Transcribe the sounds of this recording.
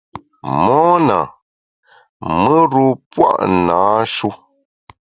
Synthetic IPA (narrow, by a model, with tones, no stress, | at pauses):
mɔː˦na̰˨ | mə˦ɾu˦pwa̰˦ʔnaː˨˦ʃu˦